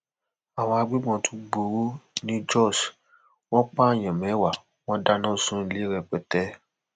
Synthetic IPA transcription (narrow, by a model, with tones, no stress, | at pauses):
a˨w̃ɔ̃˧a˧ɡ͡bi˦ɡ͡bɔ̃˧tʰu˦ɡ͡bo˨wo˦nĩ˦d͡ʒɔ˦˨s | w̃ɔ̃˦k͡pa˦˨j̃ã˨mɛ̃˨˦wa˨ | w̃ɔ̃˦da˦nã˦˨sũ˦˧˦li˦ɾɛ˧k͡pɛ˧tɛ˦